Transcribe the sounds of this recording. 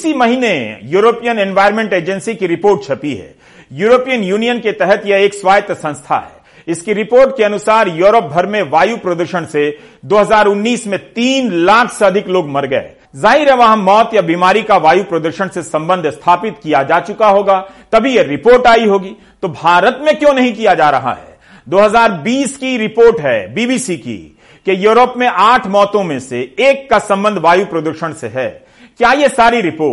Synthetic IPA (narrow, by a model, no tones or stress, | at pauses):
ɪsimɐɦinḛ̃juːɾoːpijənɛ̃nʋaːɪɾmẽɳʈeːd͡ʒənsikiɾɪpoːɾʈ̚t͡ʃʰɐpiɦɛ̰ː | juːɾoːpijənjuːnijənket̪ɛɦɛt̪jɐeːkswaːjət̪jsɐ̃nst̪ʰa̰ɦɛ̰ː | ɪskiɾɪpoːɾʈkeɐnʊsaːɾjuːɾəp̚bʱɐɾmẽʋaːjupɾɐd̪uɾʃəɽ̃se | d̪oːɦɐzaːɾʊnːiːsmẽt̪iːnlaːkʰseɐd̪ʱɪkloːɡmɐɾɡɐḛ | zaːɦiɾəʋaɦə̃mɔːt̪jabiːmaːɾikaʋaːjupɾɐd̪əɾʃəɽ̃sesɐ̃mbə̃nd̪ʱst̪ʰaːpɪt̪kijad͡ʒaːt͡ʃʊkaɦoːɡaːt̪ɐbʱijeɾɪpoːɾʈaːiɦoːɡi | t̪obʱaːɾət̪mẽkjõːnɐɦĩkijad͡ʒaːɾɐɦa̰ɦɛ̰ | d̪oːɦɐzaːɾbiːskiɾɪpoːɾʈɦɛ̰biːbiːsikḭ | kejuːɾəpmẽʔaːʈʰmɔːt̪õmẽseeːkːasɐ̃mbə̃nd̪ʱʋaːjupɾɐd̪uɾʃəɽ̃seɦɛː | kjaːjesaːɾiɾɪpoː